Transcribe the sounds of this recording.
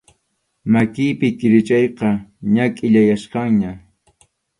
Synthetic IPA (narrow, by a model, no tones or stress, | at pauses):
makɪjpɪkɪɾɪt͡ʃɑjqɑɲakʼɪʎajasqɑŋɲa